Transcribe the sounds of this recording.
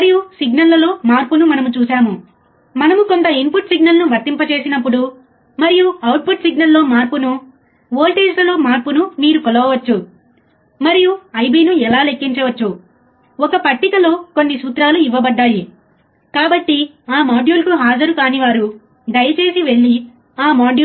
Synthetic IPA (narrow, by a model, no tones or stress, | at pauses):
mɐɾijusiɡnɐlːɐlo̞ːmaːɾpunumɐnɐmut͡ʃuːsaːmu | mɐnɐmuko̞nt̪ɐimpuʈsiɡnɐlnuʋɐɾt̪ːimpɐt͡ʃe̞ːsinɐpːuɽu | mɐɾijuɐwʈ̚puʈsiɡnɐlːo̞ːmaːɾpunu | ʋoːlʈe̞ːd͡ʒlɐlo̞ːmaːɾpunumiːɾukɔlɐʋɐʋɐt͡ʃːu | mɐɾijuɐjbiːnuɛlaːlekːiɲt͡ʃɐʋɐt͡ʃːu | ɔkɐpɐʈːikɐlo̞ːko̞nːisuːt̪ɾaːluiʋːɐbɐɖːaːji | kaːbɐʈːi | aːmaːɖjuːlkuɦaːd͡ʒɐɾukaːniʋaːɾu | d̪ɐjɐt͡ʃe̞ːsiʋe̞ɭːi | aːmaːɖju